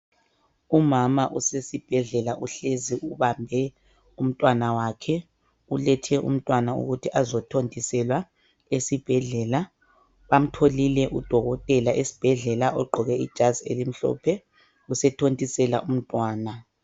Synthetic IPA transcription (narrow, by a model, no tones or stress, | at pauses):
umamaʔusesib̥ʱɛɮɛlaʔuɬeziʔuβambʱɛ | um̩tʼwanawakʰɛ | ulɛtʰɛʔṵm̩tʼwanaṵɣutʰiʔazɔtʰontʼisɛlwa | esib̥ʱɛɮɛla | βam̩tʰolilɛʔud̥ʱɔɣɔtʼɛlaʔesi̥b̥ʱɛɮɛlaʔɔɡ͡ǃʱɔɣɛḭd̥ʒ̥ʱaziḛlim̩ɬɔ̰ːpʰɛ | usɛtʰontʼisɛla̰ʔum̩tʼwaːna